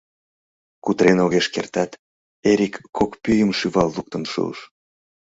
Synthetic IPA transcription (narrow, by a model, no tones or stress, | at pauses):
kut̪ɾenoɣeʃkert̪ɑt̪ | eɾʲikːokpyjəmʃyβɑlːuk̚t̪ənʃṵə̰ʃ